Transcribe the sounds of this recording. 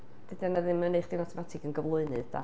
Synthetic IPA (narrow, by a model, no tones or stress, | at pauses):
d̥ɨdɛnaðɪnməneχd̥ɪnatʰɛmatʰɪɡənɡəvlˠʊɨnɨðd̥a̰